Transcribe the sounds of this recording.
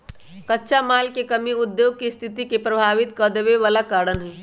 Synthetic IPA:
kətːʃʰamaːlkekəmiʊd̪joːɡ̚kist̪ʰit̪ikepɾəbʱaːʋit̪kəd̪ebeʋaːlakaːɾənɦɛ

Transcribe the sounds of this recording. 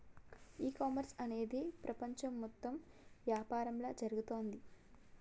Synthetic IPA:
iːkaːmɐɾsɐne̞ːd̪ipɾʔɐpɐɲt͡ʃɐmːɔt̪ːɐm | ʋjaːpaːɾɐmlɐːd͡ʒɐɾuɡut̪o̞ːnd̪i

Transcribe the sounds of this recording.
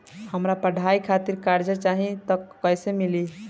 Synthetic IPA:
həmɾapəɖ̤ʱaikʰat̪iɾkaɾd͡ʒət͡ʃaɦĩt̪əkːəjsemili

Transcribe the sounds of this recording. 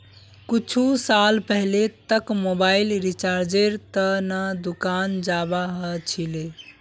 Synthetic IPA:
kut͡ʃʰusalpəɦlet̪əkmobailɾit͡ʃaɾd͡ʒeɾt̪ənad̪ukand͡ʒabaɦət͡ʃʰile

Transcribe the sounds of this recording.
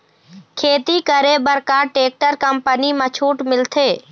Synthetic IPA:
kʰeːt̪ikəɾebəɾkaːʈeːk̚ʈəɾkəmpənimãt͡ʃʰuːʈmɪlt̪ʰeː

